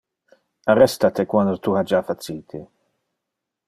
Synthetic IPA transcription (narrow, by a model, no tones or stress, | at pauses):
arɛst̪at̪ekwand̪ot̪uhad͡ʒafatt͡siːt̪ʰi